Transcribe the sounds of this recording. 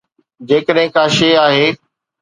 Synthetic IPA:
d͡ʑeːkəɗɦɪ̃kaːʃeaːɦeː

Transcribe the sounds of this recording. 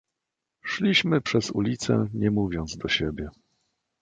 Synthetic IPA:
ʂlʲiɕmɘpʂɛzṵlʲit̪sɛ̰ɲɛmuvʲjɔnd̪zd̪ɔɕebʲjɛ

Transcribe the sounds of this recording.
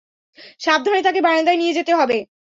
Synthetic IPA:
ʃab̚d̪ʱɔnet̪akebaɾed̪aenied͡ʑet̪eɦɔbe

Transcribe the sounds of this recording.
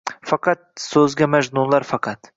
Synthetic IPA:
fɑqʰɑt̪̚sɵzɡʲamad͡ʒnulaɾfɑqʰɑt̪

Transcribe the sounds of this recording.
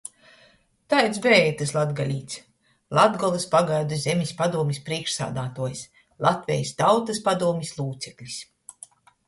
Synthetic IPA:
t̪ajt̪sbɛɛjt̪ɨslˠad̪ɡalʲiːt̪s | lˠad̪ɡɔlˠɨspaɡajd̪uzʲemʲispad̪uɔmʲispɾiɛkʃsa̰ːd̪aːt̪uɔjs | lˠat̪vʲɛjst̪awt̪ɐspad̪uɔmʲislˠuːt̪sɛklʲis

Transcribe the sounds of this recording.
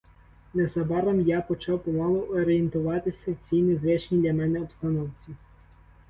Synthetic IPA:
nezɐbɑɾɐmjapɔt͡ʃɑwpɔmɑlˠɔʔɔɾejent̪ʊʋɑt̪ɪsʲɐt͡sʲijnɪzɛt͡ʃnʲid̪lʲɐmɛnɛɔpst̪ɐnɔwt͡sʲi

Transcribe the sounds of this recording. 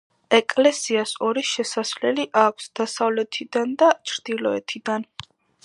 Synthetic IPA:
ɛkʼlɛsiasɔɾiʃɛsasvlɛliʔakʷʰsd̪̥asavlɛt̪ʰid̪and̪at͡ʃʰɾd̪̥ilɔɛ̰t̪ʰid̪an

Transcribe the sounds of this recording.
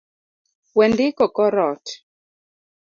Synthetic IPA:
wɛndɪkɔkɔɾɔt

